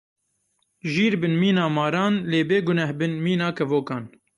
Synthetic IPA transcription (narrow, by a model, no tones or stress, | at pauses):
ʒiːɾbɨnmiːnɑːmɑːɾɑːnleːbeːɡʊnɛhbɨnmiːnɑːkʰɛvoːkɑːn